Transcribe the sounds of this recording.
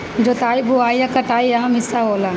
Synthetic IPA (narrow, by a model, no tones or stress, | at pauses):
d͡ʒoːt̪aːibʱuaːijɐkɐʈaːiɐɦɐ̃mɪsaɦoːlã